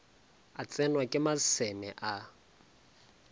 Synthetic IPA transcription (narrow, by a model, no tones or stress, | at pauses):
at͡sʼɛnwakʼɪmasɛmɛʔa